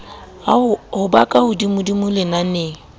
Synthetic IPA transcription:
hʊbakʼahʊdimʊdimʊlɪnane

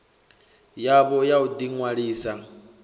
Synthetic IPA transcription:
jaβɔjaud̪iŋwaɺiːsa

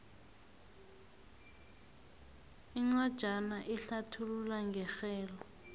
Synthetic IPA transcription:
iŋ͡ǀwad̥ʒ̥ʱanaʔɛɬatʰululaŋɡʱɛxɛːlɔ

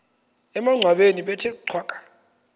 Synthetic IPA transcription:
ɛmaŋ͡ǀʱwaɓeniɓɛtʰɛǀʰwakʼḁ

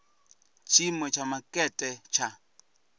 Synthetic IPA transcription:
t͡ʃʰimwɛt͡ʃʰamakʼɛtʼɛt͡ʃʰa

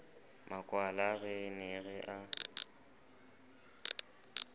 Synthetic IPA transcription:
makʼwalaɣɛnɪɣɪʔa

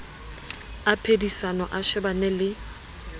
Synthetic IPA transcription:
apʰedisanɔʔaʃɛbanɛlɪ

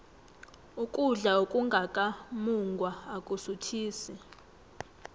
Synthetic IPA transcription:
ukʼuɮaokʼuŋɡʱakʼamuŋɡʱwaːkʼusutʰiːsɛ

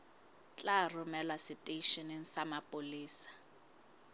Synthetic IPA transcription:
t͡ɬʼarʊmɛlwasɪtʼeʃɔniŋ̩samapʼoliːsḁ

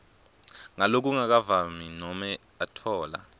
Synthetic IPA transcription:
ŋalok̬ʼuŋak̬avaminɔmɛ | atʰɔːla̰

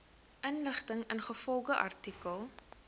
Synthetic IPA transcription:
ʔənləχtəŋənχəfɔlˠɡəʔɐ̰rtikəlˠ

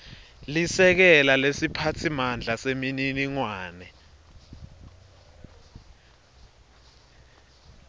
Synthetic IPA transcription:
lisɛk̬ɛlalesipʰatʰimand͡ɮʱasemininiŋwaːnɛ

